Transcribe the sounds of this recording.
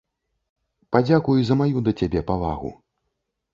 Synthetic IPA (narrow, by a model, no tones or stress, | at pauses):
pad͡zʲakujuzɐmajud̪ɐt͡sʲabʲɛpava̰ɣṵ